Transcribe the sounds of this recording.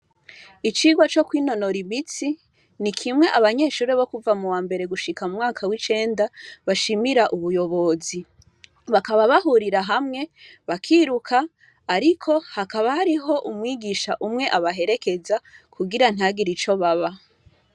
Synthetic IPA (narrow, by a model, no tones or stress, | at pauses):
it͡ʃiːɡwat͡ʃo̞kwiːno̞noɾiβit͡si | nikʰimŋe̞ʔaβaɲe̞ːʃuːɾeβo̞kuvamuwaːmbe̞ɾe̞ɡuʃikamumŋaːkʰawit͡ʃe̞ːndaβaʃimiɾaʔuβujo̞βo̞zi | βakaβaβahuɾiɾaɦamŋe̞βakʰiɾukʰaː | ɾikʰo̞hakaβahaɾiɦo̞ʔumŋiːɡiʃaʔumŋe̞ʔaβaɦe̞ɾeke̞zakʰuɡiɾan̥haɡiɾit͡ʃo̞βaβa